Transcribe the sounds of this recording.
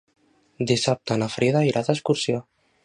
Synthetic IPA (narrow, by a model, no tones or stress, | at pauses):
d̪isap̚t̪ənafɾʔiðaiɾʔaðəskuɾsio